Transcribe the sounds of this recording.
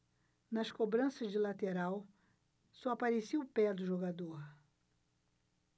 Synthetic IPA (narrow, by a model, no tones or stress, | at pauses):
nɐskobɾɐ̃sɐzd͡ʒɪlat̪eɾaw | sɔapaɾesiwpɛd̪ʊʒoɡad̪oɾ